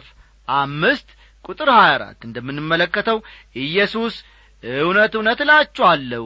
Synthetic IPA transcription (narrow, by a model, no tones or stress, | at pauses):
f | ʔamːɨst̪ | kʼut̪ʼɨɾhajaɾa̰t̪ːɨnd̪əmːɨnːɨmːələkːət̪ʰəwʔɨjːɛsus | ɨwnət̪ɨwnət̪lat͡ʃːɛalːə